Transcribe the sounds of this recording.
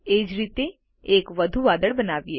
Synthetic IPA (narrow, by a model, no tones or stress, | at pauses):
eːd͡ʒɾiːt̪e | eːkʋɐd̪ʱuʋaːd̪əɽbɐnaːʋieː